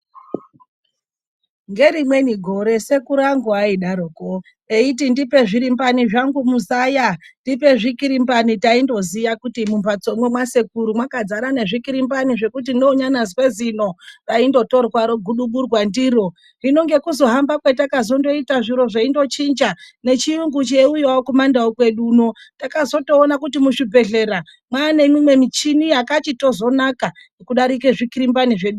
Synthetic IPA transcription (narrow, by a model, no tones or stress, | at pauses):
ŋɡe̞ɾimwe̞niɡʱo̞ɾe̞se̞kuɾaŋɡoaiɗaɾuko | eit̬indipe̞ʐiɾimbaniʐaŋɡumuzaːjandip̬e̞ʐikiɾimbanitaindo̞zijakutimumpat͡so̞mwemwase̞kuɾumwakad͡zaɾane̞ʐikiɾimbaniʐe̞kut̬indo̞uɲanazwe̞zino̞raindo̞to̞rwaɾoɡʱuɗuɓurwandiːɾo̞ | rino̞ŋɡe̞kuzo̞ɦambakwetakazo̞ndo̞itaʐiɾo̞ʐaindo̞t͡ʃind͡ʒa | ne̞t͡ʃijuŋɡut͡ʃeujawokumandaokwe̞ɗuːno̞takazo̞to̞ːnakutimuʂibʱe̞ɮe̞ːɾa | mwane̞mimwe̞mit͡ʃinijakat͡ʃito̞zo̞naka | ekuɗaɾik̬eʐikiɾimbaniʐe̞ɗu